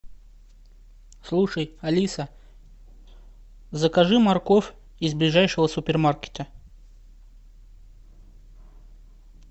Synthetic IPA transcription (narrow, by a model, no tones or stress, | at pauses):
slˠuʂəjɐlʲisə | zəkɐʐɨmɐrkof | izblʲɪʐajʂɨvəsʊpʲɪrmarkʲɪ̥t̪ə